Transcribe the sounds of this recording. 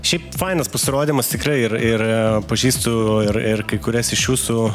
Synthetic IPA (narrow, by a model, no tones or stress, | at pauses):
ʃʲɛɪpfɐɪnɐspɐsʲɪɾoːd̪ʲiːmɐst̪ʲɪkrɐɪɪrɪrpɐʒʲiːst̪ʊɪrɪrkɐɪkʊɾʲɛsɪʃjuːsʊ